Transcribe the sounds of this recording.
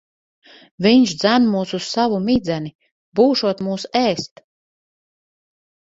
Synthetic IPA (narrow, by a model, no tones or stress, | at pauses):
viɲʃd̪zænmuːsussavumid̪zæni | buːʃuɔt̪muːsɛːst̪